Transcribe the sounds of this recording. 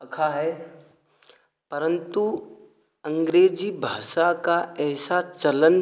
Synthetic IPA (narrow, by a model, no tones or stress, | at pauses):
ɐkʰaɦɛː | pɐɾə̃nt̪u | ɐ̃ŋɡɾeːd͡ʒibʱaːʃakaɛːsat͡ʃɐlən